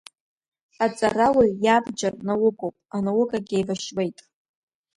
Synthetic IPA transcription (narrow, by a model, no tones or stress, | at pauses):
at͡sʼarawijabd͡ʒarnawʊɡʼowpʼanawʊkʼaɡʲejvaʃwejtʼ